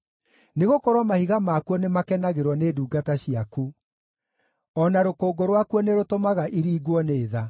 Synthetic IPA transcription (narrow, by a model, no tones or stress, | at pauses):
neɣokɔɾwɔmahiɣamaːkuɔnemakɛnaɣeɾwɔneːduːɡataɕiaku | ɔnaɾokoːɡoɾwakuɔneɾotomaɣaʔiɾiːɡwɔneːða